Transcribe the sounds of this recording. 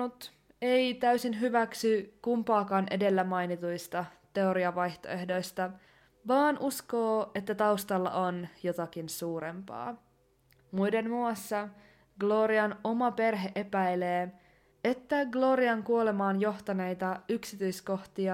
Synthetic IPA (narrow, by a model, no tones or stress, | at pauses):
ut̪ | ejt̪æysinɦyʋæksykumpɑːkɑːnʔe̞de̞lːæmɑjnit̪ujst̪ɑt̪e̞o̞ɾiɑʋɑjht̪o̞̰e̞hdo̞jst̪ɑ | ʋɑːnʔusko̞ːe̞t̪ːæt̪ɑust̪ɑlːɑ̰ʔo̞njo̞t̪ɑk̟insuːɾe̞mpɑ̰ː | mujde̞nmuɑsːɑ | ɡ̥lo̞ːɾiɑno̞mɑpe̞rɦe̞ʔe̞pæjleː | e̞t̪ːæɡlo̞ːɾiɑŋkuo̞le̞mɑːnjo̞ht̪ɑne̞jt̪ɑyksit̪yjsko̞ht̪iɑ